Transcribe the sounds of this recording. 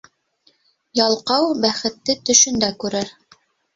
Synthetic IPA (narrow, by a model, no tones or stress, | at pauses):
jɑlˠqɑwbæχɘ̆t̪ːɘt̪ɵ̆ʃɵ̆nd̪ækʉɾɘɾ